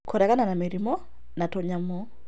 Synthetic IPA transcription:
kʰoɾɛkananameɾimɔ | natoɲamɔ

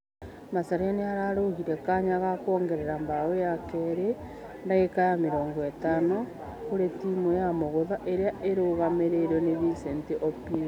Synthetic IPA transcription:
masaɾeaneaɾaɾohiɾekaɲaɣakoːŋɡeɾeɾambaojakeɾe | ndaɣekajameɾoːŋɡoetano | koɾetimojamoɣoðaʔeɾeaʔeɾoɣameɾeɾoneβisenteʔopi

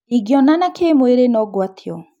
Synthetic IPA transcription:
iɡjɔnanakʰemweɾenɔɡwatʰiɔ

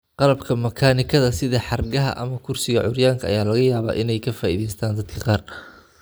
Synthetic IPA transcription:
qɑlɐbkʰɐmɐkʰaːnɪkʰɐðɐsɪðɐħɑrɡɐɦɐ̰ʔɐ̰mɐkʰʊrsɪɣɐʕʊɾjaːŋkʰɐɐ̰jaːlɐɣɐjaːβa̰ːʔɪnɛjkʰɐfaːʔḭːðɛjst̪ʰaːnd̪ɐd̪kʰɐqɑːr

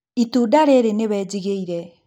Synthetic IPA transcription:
it̪udaɾeɾeneβad͡ʒiɡejɾe

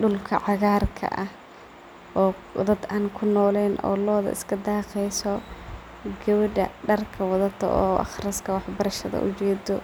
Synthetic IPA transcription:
ɖʊlkʰɐʕɑɣaːrkʰɐ̰ʔɐh | ʔɔː | d̪ɐd̪aːŋkʰʊnɔːlɛːnʔɔ̰ːlɔːðɐ̰ʔɪ̰skʰɐd̪aːqɛjsɔ | ɡɛwɐɖɐɖɐrkʰɐwɐðɐt̪ʰɔ̰ʔɔːʔɑ̰χrɐskʰɐwɑħbɐɾɐʃɐðɐ̰ʔʊt͡ʃɛːd̪ɔ

